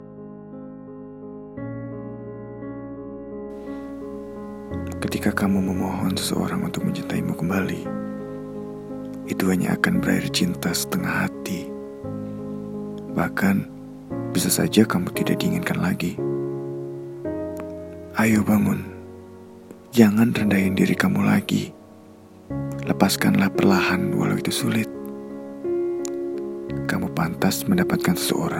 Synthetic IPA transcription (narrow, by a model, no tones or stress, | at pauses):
kət̪ikakamuməmoɦɔnsə̥sə̰ʔo̰ɾaŋunt̪ʊk̚məɲt͡ʃint̪aimukəmbali | it̪uɦaɲa̰a̰kanbəɾa̰ɪ̰rt͡ʃint̪asə̥t̪əŋahat̪i | bahkan | bisasa̰d͡ʒakamut̪idak̚diːŋɪnkanlaɡi | ʔajobaŋʊn | d͡ʒaŋanrəndajindiɾikamula̰ɡḭ | ləpaskanlahpərlahanwa̰la̰wit̪usulɪt̪̚ | kamupant̪asməndapat̪̚kansə̥sə̰ʔo̰ɾaŋ